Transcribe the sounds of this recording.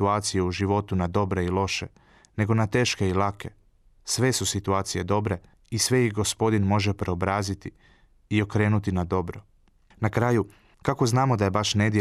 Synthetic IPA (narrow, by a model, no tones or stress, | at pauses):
uaːt̪sijeuʒiʋo̞t̪unad̪o̞bɾe̞ilˠo̞ʃḛ | ne̞ɡo̞nat̪e̞ːʃke̞ilˠake̞ | sʋe̞susit̪uaːt̪sije̞d̪o̞bɾe̞ | isʋe̞jixɡo̞spo̞d̪inmo̞ʒepɾeo̞bɾaːzit̪i | io̞kɾe̞ːnut̪inad̪o̞bɾo | nakɾaju | kako̞znaːmo̞d̪aje̞baʃne̞d̪je